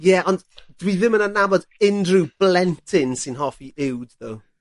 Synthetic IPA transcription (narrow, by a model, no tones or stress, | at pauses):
jɛʔɔndd̥wiðɪmənanabɔdɪndrub̥lɛntʰɪnsɪnɦɔfiʔɪwdðow